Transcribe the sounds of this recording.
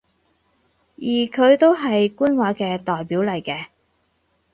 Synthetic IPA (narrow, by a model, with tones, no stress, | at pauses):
jiː˨˩kʰɵ˨˧ɥt̪o˥wɦɐ˨jkuː˥nwaː˨˥kɛː˧t̪ɔː˨jpiː˨˥wlɐ˨˩jkɛː˧